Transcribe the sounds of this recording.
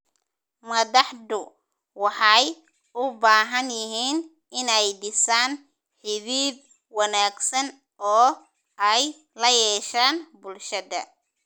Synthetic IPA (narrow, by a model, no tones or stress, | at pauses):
mɐðɑħd̪ʊ | wɑħɑj | ʔʊbaːɦɐnjɪɦiːn | ɪnɛjɖɪsaːn | ħɪβiːb̚ | wɑnaːɡsɐn | ʔɔː | ɛj | lɐjɛːʃaːnbʊlʃɐðɐ̰